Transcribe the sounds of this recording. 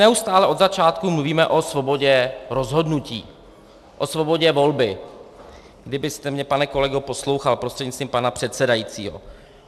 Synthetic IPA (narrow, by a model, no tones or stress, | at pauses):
nɛust̪aːlɛʔo̞d̪zat͡ʃaːt̪kumluviːmɛʔo̞svo̞bo̞ɟɛɾo̞zɦo̞dnuciː | ʔosvo̞bo̞ɟɛvo̞lbɪ | ɡdɪbɪst̪ɛmɲɛpanɛko̞lɛɡopo̞slo̞wxalpɾost̪r̥ɛdɲɪst͡st̪viːmpanapr̝̥ɛt̪sɛdajit͡sḭːɦo̞̰